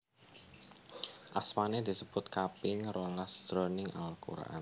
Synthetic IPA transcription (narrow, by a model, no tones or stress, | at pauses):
ʔasmaned̪̥isəb̥ʊt̪̚kapɪŋɾolasd̪̥ɾonɪŋa̰lkṵɾa̰ʔa̰n